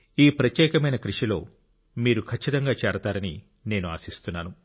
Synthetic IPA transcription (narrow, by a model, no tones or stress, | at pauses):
iːpɾɐt̪jɛːkɐmɐjnɐkɾiʂilo̞ː | miːɾukʰɐt͡ʃːit̪ɐŋɡaːt͡ʃɛːɾɐt̪aːɾɐnḭ | ne̞ːnua̰ːsist̪unːaːnu